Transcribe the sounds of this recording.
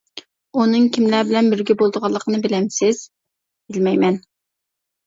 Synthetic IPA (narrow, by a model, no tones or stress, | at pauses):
unɨŋkʲʰimlæbɪlɛnbɪɾɡʲɛbolˠd̪əʁɑlˠːəqʰənɨbɪlɛmsɪz̥ | b̥ɪlmɛjmɛn